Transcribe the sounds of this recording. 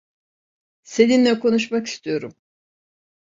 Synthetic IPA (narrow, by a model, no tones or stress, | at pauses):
se̞ninlʲɛkʰo̞nuʃmaki̥st̪ʰijo̞ɾum